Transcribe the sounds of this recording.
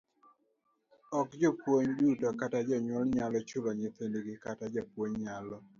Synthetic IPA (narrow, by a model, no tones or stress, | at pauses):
ɔkd͡ʒɔpwoɲdutɔkatad͡ʒɔɲwɔlɲalɔt͡ʃʊlɔɲɪt̪endiɡɪkatad͡ʒapwoɲɲalɔ